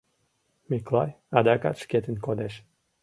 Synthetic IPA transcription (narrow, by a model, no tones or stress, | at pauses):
miklˠaj | ad̪aka̰t͡ʃkʲɛt̪inʲkod̪ɛʃ